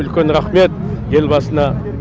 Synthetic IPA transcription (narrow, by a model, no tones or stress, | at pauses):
ʏlkʲe̞nɾaχme̞t̪̚ | je̞lbɑsənɑ